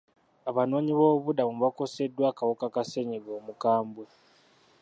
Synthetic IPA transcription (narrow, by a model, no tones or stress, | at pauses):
aβano̞ːɲiβo̞ːβudamuβako̞se̞dːwaːkawokakase̞ɲeɡo̞ːmukaːmbwe